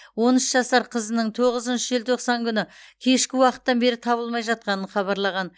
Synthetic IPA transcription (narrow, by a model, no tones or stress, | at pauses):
wo̞nɪʃʒɑsɑɾqʰəzənəɴt̪ʰoʁəzənʃəʒɪlt̪ʰo̞qsɑŋkʲʰʏnɪkʲʰe̞ʃkʲɪwɑqə̥t̪ːɑnbe̞ɾɪt̪ʰɑβəlˠmɑjʒɑt̪̚qɑnəɴχɑβɑɾlˠɑʁɑn